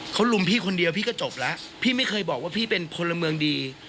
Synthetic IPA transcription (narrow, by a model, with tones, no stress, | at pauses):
kʰa˦˥wlu˧mpʰiː˥˩kʰo˧ndi˧əwpʰiː˥˩kɔː˥˩t͡ɕo˨˩p̚la˦˥ʔ | pʰiː˥˩ma˥˩jkʰɤː˧jbɔː˨˩k̚waː˥˩pʰiː˥˩pe˧nkʰo˧nla˧mɯ˧əŋdiː˧